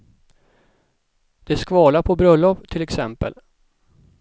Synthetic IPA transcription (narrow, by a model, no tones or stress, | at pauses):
d̪̥ɛskvɑːlapʰɔbɾœlːɔpt̪ʰɪlɛksɛmpə̰l